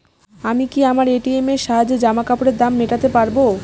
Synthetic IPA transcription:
amikiamaɾeʈiemeɾʃaɦad͡ʑed͡ʑamakapoɽeɾd̪amːeʈat̪epaɾbo

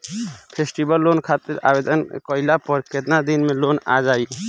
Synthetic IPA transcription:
pʰesʈibəlːoːnkʰaːt̪ɪɾa̰ːbed̪ənkɔilapɔɾket̪nad̪inmẽloːna̰d͡ʒaːj

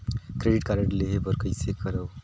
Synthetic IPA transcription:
kɾeɖiʈkaɾəʈleɦebʱəɾkəjsekəɾəw

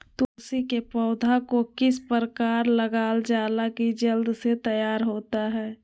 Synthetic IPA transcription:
t̪oːsikepɔːd̪ʱakokɪspəɾəkaːɾləɡaːld͡ʒaːlakid͡ʒəld̪set̪əjaːɾɦoːt̪aɦɛː

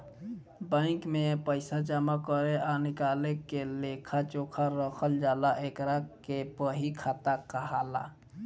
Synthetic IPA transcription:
bə̃ɪ̃kmepəɪsad͡ʒamakəɾeɔɾnɪkalekelekʰat͡ʃokʰaɾəkʰəld͡ʒalaʔekɾakepəɦikʰat̪akəɦala̰

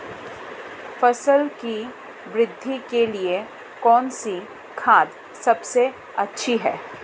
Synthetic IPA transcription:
fɐsəlki | ʋɾɪd̪ʱːikelie | kɔːnsi | kʰaːd̪ | sɐbse | ɐtːʃʰiɦɛː

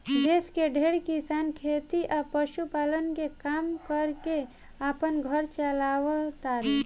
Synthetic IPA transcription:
d̪eːskeɖʱeːɽkisaːnkʰeːt̪iʔapəʃupaːlənkekaːmkəɾke | aːpənɡʱəɾt͡ʃəlaːʋət̪aːɾɛ

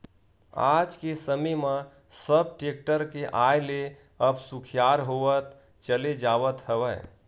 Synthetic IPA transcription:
a̰ːd͡ʒkesəmimə̃ | səb̚ʈeːk̚ʈəɾkeʔaːjle | əbsʊkʰjaːɾɦoːʋət̪ | t͡ʃəled͡ʒaːwət̪ɦəʋəː

